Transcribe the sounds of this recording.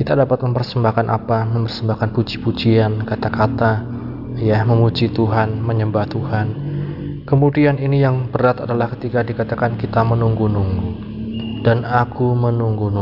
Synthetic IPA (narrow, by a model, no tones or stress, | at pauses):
kit̪adapat̪̚məmpərsəmbahkanʔa̰paməmpərsəmbahkanpud͡ʒipud͡ʒiankat̪akat̪a | jaməmut͡ʃit̪uɦanməɲəmbaht̪uhan | kəmudianinijaŋb̥əɾat̪adalahkət̪ikadikat̪akankit̪amənuŋɡunuŋɡu | d̥anakumənuŋɡunu